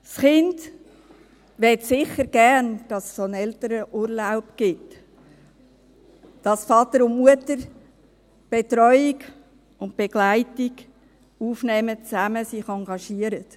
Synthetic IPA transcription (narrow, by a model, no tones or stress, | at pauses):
sχɪnd | ʋɛtsɪχəɾɡ̥æɾnd̥ɑssonɛltəɾəʔuɾlaʊpɡ̥ɪt | d̥ɑsfɑtəɾʊntmuətəɾ | b̥etɾɔʏɪɡ | ʊnt̚b̥eɡ̥laɪtɪɡ | uːfnɛːmət͡sæməsɪχɑŋɡɑʃiəɾət